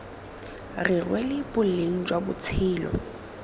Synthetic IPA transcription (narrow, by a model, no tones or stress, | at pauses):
rɪrwɛlɪbʊl̩eŋ̩t͡ʃʼwabʊt͡sʰɪːlɔ̰